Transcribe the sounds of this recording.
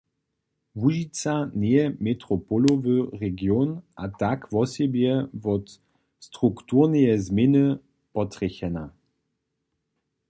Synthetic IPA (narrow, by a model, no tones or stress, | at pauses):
vuʒit͡sanɛjɛmɛtʁɔpɔlovəʁɛɡjonʔatakvɔsɛbjɛvɔt | st̪ʁuktuʁnəjɛzmɛnə | pɔt̪ʁ̥ɛçɛna